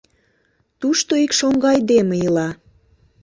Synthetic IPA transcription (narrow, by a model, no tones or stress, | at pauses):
t̪uʃt̪oikʃoŋɡɑjd̪emeilɑ